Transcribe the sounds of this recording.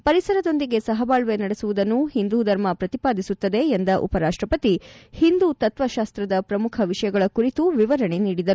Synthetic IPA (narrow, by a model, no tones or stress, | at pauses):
pɐɾisɐɾɐd̪o̞nd̪iɡe̞sɐɦɐbaːɭʋe̞nɐɽesuʋud̪ɐnːuhind̪uːd̪ʱɐɾmɐpɾɐt̪ipaːd̪isut̪ːɐd̪e̞ːnd̪ɐʔṵpɐɾaːʂʈɾɐpɐt̪ihind̪uːt̪ɐt̪ʋɐʃaːst̪ɾɐd̪ɐpɾɐmukʰɐʋiʂɐjɐɡɐɭɐkuɾit̪uʋiʋɐɾɐɳeniːɽid̪ɐɾu